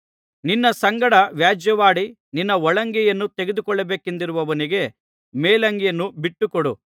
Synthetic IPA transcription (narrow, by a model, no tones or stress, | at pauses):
ninːɐsɐŋɡɐɽɐʋjaːd͡ʒjɐʋaːɽi | ninːɐɔɭɐŋɡɛjɐnːut̪eɡed̪ukɔɭːɐbeːkend̪iɾuʋɐʋɐniɡe̞ | meːlɐŋɡɛjɐnːubiʈːukɔɽu